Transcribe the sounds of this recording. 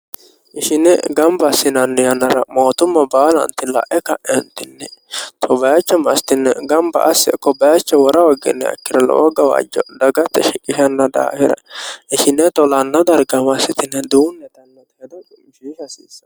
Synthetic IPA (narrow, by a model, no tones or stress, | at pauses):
ʔɪʃɪnɛɡɐmbɐsːɪnɐnːɪjɐnːɐɾɐmo̞ːt̪ʊmːɐbaːlɐ̰nt̪ɪlɐ̰ʔɛkɐʔɛnt̪ɪnːɛt̪ʰɔbɐjɐt͡ʃːɐmɐsɪ̥t̪ɪnːɛɡɐmbɐ̰ʔɐsːɪkːɔbɐjat͡ʃːɐwɔɾɐwɐɡɪ̰nːɛ̰ɐ̰kːɪɾɐlɔ̰ɡɐwa̰ːd͡ʒɔd̪ɐɡɐt̪ːɛʃɪkʼːɪʃɐnːɐd̪a̰ːhɪɾɐ̰ɪʃɪnːɛt̪ɔlɐnːɐd̪ɐɾɡɐmɐsɪt̪ɪnːɛd̪uːnːɛt̪ɐnːɐd̪ɐjɛd̪ɐ | ʃihɐsiːsːɐ̥